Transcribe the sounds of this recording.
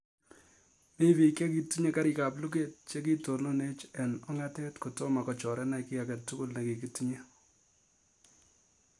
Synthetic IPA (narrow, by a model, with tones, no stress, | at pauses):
mi˦βi˨kje˦ki˨tu˦ɲe˦ka˦ɾi˨ka˨plu˦ke˨t̚t͡ʃe˦ki˦to˨no˦ne˦t͡ʃɛ˨nɔ˦ŋa˦tɛ˦tko˨tɔ˦ma˨kɔ˨t͡ʃɔ˨ɾɛ˦na˦ki˦a˨ka˨tːu˦kʊ˦lna˨ke˨ki˦tu˦ɲe˦